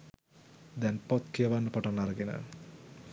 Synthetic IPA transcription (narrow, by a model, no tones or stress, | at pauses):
d̪ɛnpɔt̪kʰijəʋanːəpɔʈanaɾəɡenə̰